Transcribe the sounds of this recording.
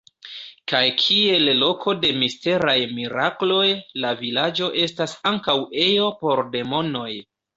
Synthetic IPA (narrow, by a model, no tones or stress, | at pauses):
kajkʰie̞llo̞kʰo̞de̞miste̞ɾajmiɾaklo̞jlavilad͡ʒo̞ʔe̞stasaŋkawe̞jo̞po̞ɾde̞mo̞no̞j